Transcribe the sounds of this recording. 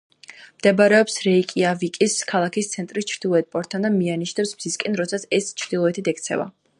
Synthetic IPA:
md̪̥ɛbaɾɛɔpsɾɛikʼiavikʼiskʰalˠakʰist̪sʰɛnt̪ʼɾist͡ʃʰɾd̪ilˠɔɛt̪̚pʼɔɾt̪ʰːand̪amianiʃnɛpsmziskʼɛnɾɔt̪sʰat̪sʰɛst͡ʃʰɾd̪ilˠɔɛt̪ʰit̪ʰɛk̚ʰt̪sʰɛ̰va̰

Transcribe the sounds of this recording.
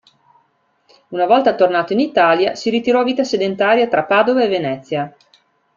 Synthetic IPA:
unavɔlt̪at̪ornaːt̪oinit̪aːljasiɾit̪iɾɔviːt̪ased̪ent̪aːɾjat̪ɾapaːd̪ovaevenɛt̪sːja

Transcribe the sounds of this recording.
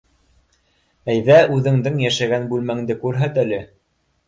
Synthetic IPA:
æjðæʔʉðɘ̆ŋd̪ɘŋjæʃæɡænbʉlmæŋd̪ɘkʉɾɦæt̪ælɘ

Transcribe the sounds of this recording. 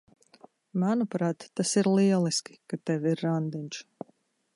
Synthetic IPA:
manupɾaːt̪ːasiɾlˠiɛlˠiskʲi̥kat̪ɛviɾːand̪inʲt͡ʃ

